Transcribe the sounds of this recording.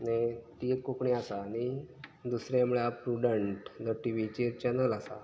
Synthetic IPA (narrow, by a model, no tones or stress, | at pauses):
net̪iet̪kokɳiasanid̪usɾeamɭapɾuɖəɳʈnəʈiʋit͡ɕeɾt͡ɕənəlasa̰